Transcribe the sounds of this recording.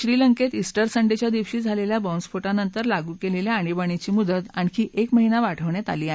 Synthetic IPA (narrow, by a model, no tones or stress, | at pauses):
ɕɾiləŋket̪isʈəɾsəɳɖet͡ɕjad̪iʋɕiːd͡zʱaleljabɔ̃nsfoʈanənt̪əɾlaɡuːkeleljaaɽ̃ibaɳ̃it͡ɕiːmud̪ət̪ankiːʔekməɦinaʋaʈʰəʋɳjat̪aliːaɦ